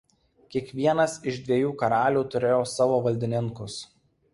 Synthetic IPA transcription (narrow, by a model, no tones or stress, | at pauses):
kʲiɛkʋʲiɛnɐsɪʒd̪ʲʋʲɛjuːkɐɾɑːlʲuːt̪ʊɾʲeːjoːsɑːʋoːʋɐlʲd̪ʲɪnʲɪŋkʊs